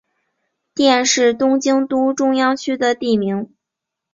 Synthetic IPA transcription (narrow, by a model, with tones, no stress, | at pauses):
t̪jɛ˥˧nʂɻ̩˥˩t̪ʊ˥ŋt͡ɕi˥ŋt̪u˥ʈ͡ʂʊ˥ŋjɑ˥ŋt͡ɕʰy˥d̪ə˨t̪i˥˩mi˧˥ŋ